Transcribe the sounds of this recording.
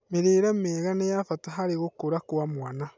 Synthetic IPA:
miɾiːɾemiːɣanejafataɦaɾiɣukuɾakuwamwana

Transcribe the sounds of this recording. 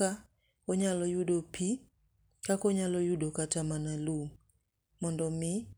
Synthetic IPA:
a | ɔɲalɔjuɗɔpi | kakɔɲalɔjuɗɔkatamanalum | mɔndɔmi

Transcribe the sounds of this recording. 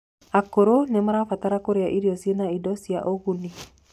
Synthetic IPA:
akoɾonemaɾafataɾakoɾeaʔiɾiɔsienaidɔsjaʔoɣuni

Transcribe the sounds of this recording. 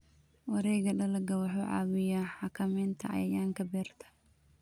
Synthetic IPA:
wɑɾɛːjɣɐɖɐlɐɡɐwɑħuːʕɑ̰ːwɪjaːħɑkʰɐmɛːnt̪ʰɐ̰ʔɐ̰jɐjaːŋkʰɐbɛːrt̪ʰɐ̥

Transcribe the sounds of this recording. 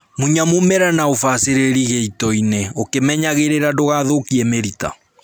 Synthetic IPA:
muɲamomɛɾanaofaseɾeɾiɣeitɔineokemɛɲaɣeɾeɾadoɣaːðokiɛmeɾita̰

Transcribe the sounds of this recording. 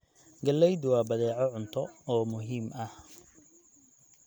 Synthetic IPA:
ɡɐlːɛjd̪wɑːbɐðɛːʕɔʕʊnt̪ʰɔɔːmʊɦiːmɐh

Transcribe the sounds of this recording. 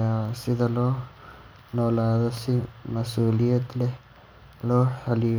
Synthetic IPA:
asɪðɐlɔː | nɔːlaːðɔsɪmɐsuːlɪjɐd̪lɛ | lɔːħɐlɪ

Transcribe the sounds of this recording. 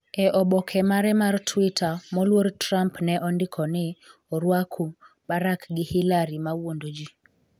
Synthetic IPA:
ɛʔɔɓɔkʰɛmaɾɛmartʰwitʰamɔlwoɾtɾampnɛʔɔndɪkʰɔnɪɔɾwakʰu | baɾakɡɪhilaɾimawondod͡ʒi

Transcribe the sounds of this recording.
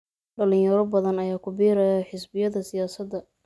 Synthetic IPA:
ɖɐlɪ̃ŋjɐɾɔbɐðɐnɐjaːkʰʊbiːɾɐjħɪsbɪjɐðɐsɪjaːsɐd̪ːɐ

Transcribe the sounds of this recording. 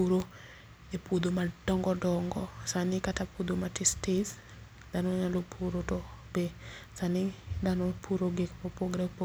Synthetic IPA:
uɾo | epud̪omad̥ɔŋɡɔdɔŋɡɔsanikatapud̪omatistes | danɔɲalopʰuɾotɔbesanidanopʰuɾoɡekmopoɡɾapo

